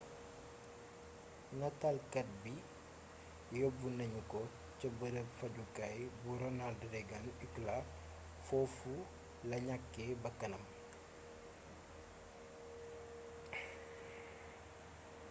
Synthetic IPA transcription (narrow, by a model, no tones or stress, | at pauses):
nɐtalkɐt̚bi | jɔbunɐɲukɔ | cɐbɐɾəfɐɟukɐjbuɾɔnaldɾɛɡɐnykla | fɔfu | lɐɲakːebɐkːɐnɐm